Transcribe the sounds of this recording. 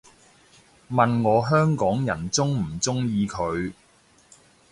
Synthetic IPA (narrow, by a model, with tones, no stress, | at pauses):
mɐ˨nŋɔː˨˧ɦœː˥ŋkɔː˨˥ŋjɐ˨˩nt͡sʊ˥ŋm̩˨˩t͡sʊ˥ŋjiː˨˧kʰɵ˨˧ɥ